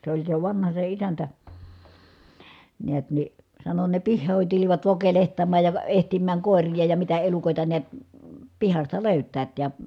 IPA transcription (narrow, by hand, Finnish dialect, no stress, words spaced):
se olʲ se ʋɑnhɑ se isæntæ niæt ni sɑno ne pihːoˑin tuliʋɑt ʋokelehtɑmːɑˑj jɑ ʋə ehtimːæːŋ koˑerijɑ jɑ mitæ elukoˑitɑ niæt pihɑstɑ løˑytˑæːt jɑ